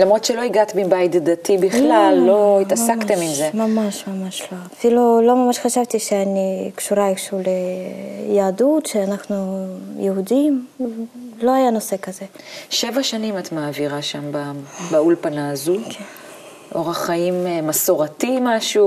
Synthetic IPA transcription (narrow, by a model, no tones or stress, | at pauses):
lamʁo̞dtʃelo̞iɡat̪bimbajd̪datibiχlalːo̞it̪asakt̪emimzemamaʃmamaʃlo̞afilulo̞mamaʃχaʃavt̪iʃeanikʃuɾaefʃule | jaːdut̪ʃeanaχnujeudim | lo̞ajano̞se̞kaze̞ʃevaʃanimat̪maːviʁaʃambabaulpanaːzukʰe | ʔo̞ʁaχaimmasoʁatimaʃu